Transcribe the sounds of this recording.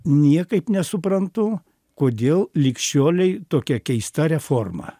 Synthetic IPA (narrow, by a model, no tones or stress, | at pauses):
nʲiɛkɐɪpnʲɛsʊpɾɐnt̪ʊ | koːd̪ʲeːlˠlʲɪkʃʲt͡ʃʲoːlʲɛɪt̪oːkʲɛkʲɛɪst̪ɐɾʲɛfoːrmɐ̰